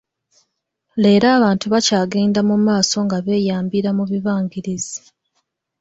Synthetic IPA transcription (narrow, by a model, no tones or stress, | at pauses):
le̞ːɾaːβaːntuβacaːɡe̞ːndamumaːso̞ŋɡaβe̞ːjaːmbiɾamuβiβaːŋɡiɾizi